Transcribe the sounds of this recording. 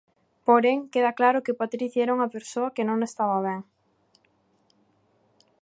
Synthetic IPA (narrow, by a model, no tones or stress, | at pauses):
poɾeŋkeðaklaɾʊkɪpat̪ɾiθjɛɾoŋɐpeɾsoɐkɪnõŋest̪aβɐβɛŋ